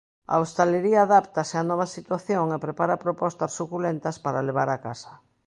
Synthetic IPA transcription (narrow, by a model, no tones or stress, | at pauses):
a̰ost̪aleɾiaːðapt̪aseanɔβ̞ɐsit̪waθjoŋepɾepaɾapɾopɔst̪assukulent̪ɐspaɾaleβ̞aɾakasḁ